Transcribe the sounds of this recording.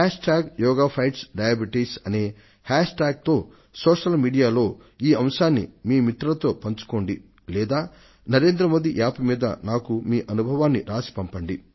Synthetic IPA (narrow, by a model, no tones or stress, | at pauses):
haːʂʈaːɡjɔːɡaːpʰɐjʈsɖɐjɐbiʈisɐne̞ː | haːʂʈaːɡ̚t̪o̞ː | soːʂɐlmiːɽijaːlo̞ː | iːɐmʃaːnːḭmiːmit̪ɾɐlɐt̪o̞ːpɐɲt͡ʃu̥ko̞ːɳɖi | lɛːd̪aː | nɐɾe̞ːnd̪ɾɐmo̞ːd̪iʔaːpimiːd̪ɐ̰naːkumiːʔɐnubʱɐʋaːnːiɾaːsi̥pɐmpɐɳɖi